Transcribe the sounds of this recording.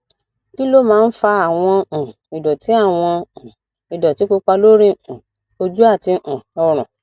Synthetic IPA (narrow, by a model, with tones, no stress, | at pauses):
ki˦lo˦mãː˦˧n̩˦fa˧a˨w̃ɔ̃˧˨ | i˨dɔ˨ti˨˦a˦˨w̃ɔ̃˧˨ | i˨dɔ˨ti˨˦k͡po˧k͡pa˧lo˦ɾĩ˦ũ˨ | o˧d͡ʒu˦a˦˨ti˧ʔ̩˨ɔ˧ɾ̃ũ˨